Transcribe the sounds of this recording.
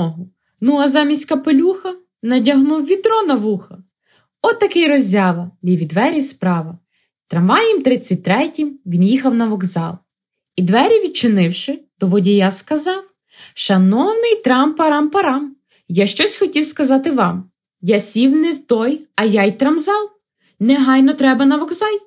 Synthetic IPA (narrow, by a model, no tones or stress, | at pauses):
ɔɦʊ | nuɐzɑmʲisʲtʲkɐpelʲuxɐ | nɐdʲɐɦnuwʋʲit̪ɾɔnɐʋuxɐ | ɔt̪ːɐkɪjɾɔzʲɑʋɐlʲiʋʲid̪ʋɛɾʲispɾɑʋɐ | t̪ɾɐmʋɑjimt̪ɾɪt͡sʲːɐt̚ʲt̪ɾɛtʲimʋʲinjixɐwnɐʋɔɡzɑ̰lˠ | id̪ʋɛɾʲiʋʲid̪̚t͡ʃɪnɪwʃɪd̪̥ɔʋɔdʲijaskɐzɑw | ʃɐnɔwnɪjt̪ɾɑmpɐɾɑmpɐɾɑm | jaʃt͡ʃɔsʲxɔtʲiwskɐzɑt̪ɪʋɑm | jasʲiwnɪwt̪ɔjɐjajt̪ɾɐmzɑw | nɛɦɑjnɔt̪ɾɛbɐnɐʋɔɡzɑlʲ